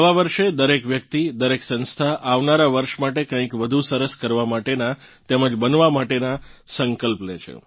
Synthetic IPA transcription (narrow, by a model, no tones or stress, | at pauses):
əʋaʋəɾʃed̪əɾekʋjək̚t̪id̪əɾeksə̃nst̪ʰaʔaʋnaɾaʋəɾʃmaʈekə̃ĩkʋəd̪ʱusəɾəskəɾʋamaʈena | t̪ɛməd͡ʒbənʋamaʈenasəŋkəlplet͡ʃʰḛ